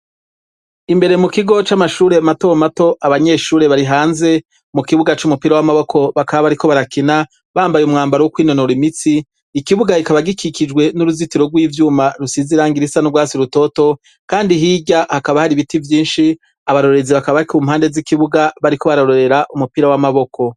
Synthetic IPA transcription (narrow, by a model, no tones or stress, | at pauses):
imbe̞ɾe̞mukiɡo̞t͡ʃamaʃuːɾe̞mato̞mato̞ʔaβaɲe̞ːʃuːɾe̞βaɾiɦaːnze̞ | mukiβuɡat͡ʃumupiɾawamaβo̞kʰo̞βakaβaβaɾiko̞βaɾakina | βaːmbajumŋaːmbaɾowukwiːno̞noɾimit͡siː | kiβuɡahikaβaɡikʰikid͡ʒwe̞nuɾuzitiɾo̞ɡwiːvjuːmaɾusiziɾaːŋɡiɾisanuɡwaːsiɾuto̞to̞ | kaːndiɦiɟahakaβahaɾiβitivjiːnʃi | aβaɾo̞ɾe̞ziβakaβaikuːmhaːndezikiβuɡaβaɾiko̞βaɾaɾoɾe̞ɾaʔumupiɾawamaβo̞kʰo̞